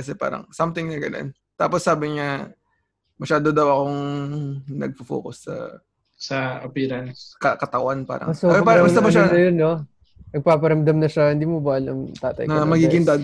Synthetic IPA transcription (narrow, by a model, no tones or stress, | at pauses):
kɐsɛpa̰ːɾɐ̰ŋsɐmt̪ɪŋnɐɡɐna̰n | t̪a̰ːposːaːbɪɲa | mɐʃaːd̪od̪ɐwɐko̞ŋ | nɐ̰ɡ̚fɐfo̰kʊsːɐ̰ | sɐɐpiːɾɐnskɐkɐt̪ɐwanpa̰ːɾɐ̰ŋɐsopaːɾɐɐst̪ɐmɐʃanɐjonːo | nɐɡ̚paːpɐɾɐmd̪ɐmnɐʃɐhɪnd̪iːmobaʔɐlɐ̰ŋt̪a̰ːt̪ɐ̰jknɐmɐɡiːɡɪŋd̪ad̪